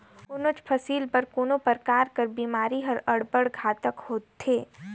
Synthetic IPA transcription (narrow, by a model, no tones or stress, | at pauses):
ʊnʊt͡ʃpʰɐsiːlpɐɾkoːnopɐɾkaːɾkəɾbiːmaːɾiɦɐɾɐɽbəɽɡʱaːt̪əkhoːt̪ʰːeː